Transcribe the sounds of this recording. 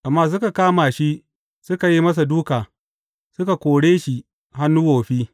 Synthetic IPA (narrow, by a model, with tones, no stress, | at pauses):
ʔa˨mːaː˦s̬ʊ˦ka˨kaː˦maː˨ʃi˦ʔ | sʊ˦ka˨ji˦mɐ˦s̬a˨duː˦kaː˨ | sʊ˦ka˨kʷoː˨ɽeː˦ʃi˨ | ha˦nːuː˦woː˨ɸiː˦